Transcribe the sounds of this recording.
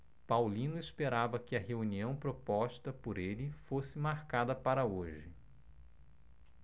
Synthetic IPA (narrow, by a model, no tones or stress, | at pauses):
pawlĩnʊespeɾavɐkɪɐheuniɐ̃w̃pɾopɔst̪ɐpoɾelɪfosɪmaɾkad̪ɐpaɾɐoʒɪ